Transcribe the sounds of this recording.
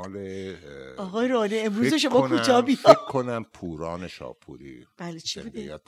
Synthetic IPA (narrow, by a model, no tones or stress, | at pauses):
le | ɒɣɒːjeɾoniemɾuːzeʃomɒːkʰut̪ʰɒːbifɔekʰːonæmpʰuːɾɒːneʃɒ̰ːpʰṵːɾḭb̥æːlet͡ʃʰibud̪ejt̪